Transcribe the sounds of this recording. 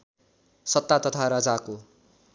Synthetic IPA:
sʌt̪ːat̪ʌt̪ʰaɾʌd͡zako

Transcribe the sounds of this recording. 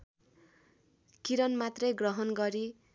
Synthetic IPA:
kiɾʌnmat̪rʌjɡrʌɦʌnɡʌɾi

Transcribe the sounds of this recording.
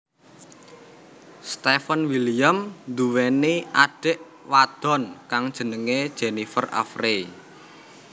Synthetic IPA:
st̪efənwilijəmd̪uweneʔaɖ̥ɪ̤ʔ | wad̪̥ɔ̤nkaŋd̥ʒ̥ə̤nəŋed̥ʒ̥enifəra̰fre

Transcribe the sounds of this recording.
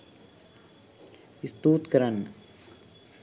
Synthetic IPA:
ist̪uːt̪kɐɾən

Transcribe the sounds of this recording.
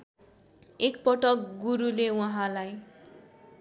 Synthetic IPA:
ekpʌʈʌkɡuɾulewaɦãlaj

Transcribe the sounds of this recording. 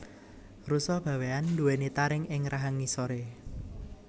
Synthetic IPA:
rusɔb̥ä̤weand̪uwenit̪aɾɪŋɪŋɾaɦaŋisoɾe

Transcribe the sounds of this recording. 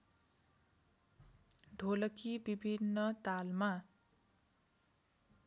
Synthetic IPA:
ɖʱolʌkibibʱinːʌt̪alma

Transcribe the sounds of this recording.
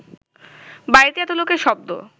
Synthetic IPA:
bajɾit̪eɛt̪olokeʃɔb̚d̪o̰

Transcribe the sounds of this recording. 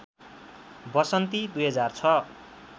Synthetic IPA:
bʌsʌnt̪id̪ujɦʌd͡zart͡sʰʌ

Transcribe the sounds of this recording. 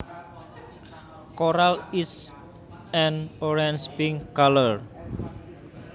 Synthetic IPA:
koɾalis | ɛnoɾɛnspiŋkalər

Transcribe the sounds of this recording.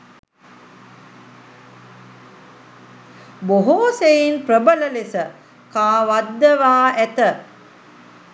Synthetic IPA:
boɦoːsejinpɾəbələlesə | kaːʋad̪ːəʋaːæt̪ə

